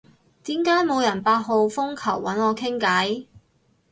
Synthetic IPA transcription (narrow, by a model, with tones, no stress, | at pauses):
t̪iː˨˥mkaː˨˥jmo˨˧wjɐ˨˩npaː˧t̚ɦo˨˧wfʊ˥ŋkʰɐ˨˩wːɐ˨˥nɔː˨˧kʰɪ˥ŋkɐː˨˥j